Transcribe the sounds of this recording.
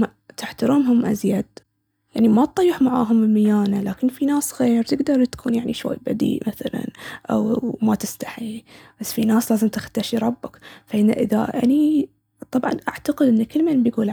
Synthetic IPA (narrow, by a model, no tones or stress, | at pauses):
ma | t̪ɪħt̪aɾɪmɦʊmʔa̰zjad̪̚ | jaʕnimat̪̚t̪ˤɑjːɪħmaʕa̰ːɦʊmɪmajaːnalaːkɪnfinaːsɣeːɾt̪ɪɡd̪ɑɾˤt̪kʰuːnjaʕniʃwa̰jːba̰d̪ḭːʔmaθala̰nʔa̰wmat̪ɪst̪ḁħib̥asːfinaːslaːzɪmt̪ɪxt̪aːʃiɾˤɑbːakfaʔɪnːa̰ʔɪða̰ʔa̰ni | t̪ˤɑbʕɑ̰nʔa̰ʕt̪aqɪd̪ʔɪnːakɪlːmalmbjɡuːlʕ